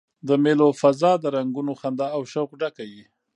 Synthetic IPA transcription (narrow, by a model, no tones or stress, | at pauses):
d̪əmelofazɑd̪əɾaŋɡunoxand̪ɑːwʃəɣɖakawi